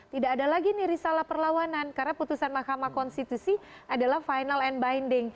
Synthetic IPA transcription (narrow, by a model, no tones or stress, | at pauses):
t̪idaːdalaɡiniɾisalahpərlawanankarnaput̪usanmahkamakɔnst̪it̪usi | adalahfajnalɛnbajndɪŋ